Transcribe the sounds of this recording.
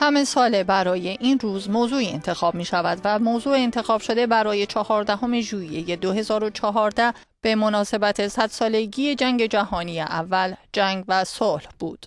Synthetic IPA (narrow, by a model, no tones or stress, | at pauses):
hæmesɒːlebæɾɒːje̞ʔiːnruːzmoːzuːiḛnt̪ʰe̞xɒːb̥̚miːʃævæd̪væmoːzuːeːnt̪ʰe̞xɒːb̥ʃo̞d̪e̞bæɾɒːje̞t͡ʃʰɒhɒːɾd̪æɦo̞me̞ʒuːije̞je̞d̪o̞ɦe̞zɒːɾot͡ʃʰɒɦɒːɾd̪æ | b̥e̞mo̞nɒːse̞bæt̪ʰe̞sæd̪̥sɒːle̞ɡiːe̞d͡ʒæŋɟe̞d͡ʒæɦɒːnijeʔævːæld͡ʒæŋɡvæsolhb̥uːd̪̥